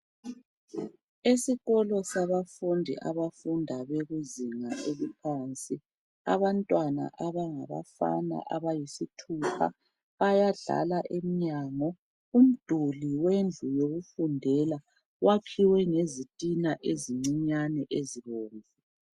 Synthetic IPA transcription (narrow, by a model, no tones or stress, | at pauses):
esiɣɔlɔsaβafundʱḭʔa̰βafundʱaβeɣuziŋa̰ʔeβupʰant͡sʼi | a̰βantʼwana̰ʔaβaŋa̰βa̰fa̰na̰ʔaβajisitʰupʰa̰ | βajaɮa̰laʔemiɲaːŋɔ | um̩d̥ʱuliwend͡ɮʱujoɣufundʱɛla | wakʰiwɛŋezitʼinaʔeziŋ͡ǀiɲanɛʔeziɣoːɱvu